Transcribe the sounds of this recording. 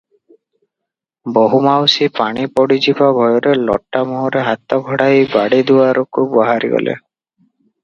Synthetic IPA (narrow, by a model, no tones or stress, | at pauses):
bɔɦumawsipaɽ̃ipɔɽid͡ʒibɔbʱɔjɔɾelɔ̰ʈːamɔɦɔɾeɦat̪ɔɡʱɔɽajbaɽid̪uaɾɔkubɔɦaɾḭɡɔ̰lʔḛ